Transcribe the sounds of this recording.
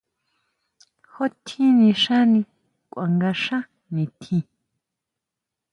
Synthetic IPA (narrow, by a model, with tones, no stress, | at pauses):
ho˦t̪ʰĩ˦nĩ˧ʃã˦nĩ˧ | kʷwa˨ŋɡa˧ʃã˦ | nĩ˨t̪ʰĩ˧